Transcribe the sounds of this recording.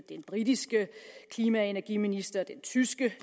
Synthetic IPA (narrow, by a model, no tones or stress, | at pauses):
d̥enb̥ʁidisɡ̥əkʰliːmæe̝næɐɡ̥ḭminisd̥ɐd̥ent͡sʰysɡ̥ə